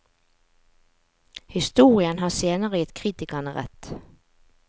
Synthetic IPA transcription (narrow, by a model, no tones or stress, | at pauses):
hɪst̪uːʁɪənɦɑːseːnəʁəjɪt̪kʰʁiːt̪ɪkɑnəʁɛ̰t̪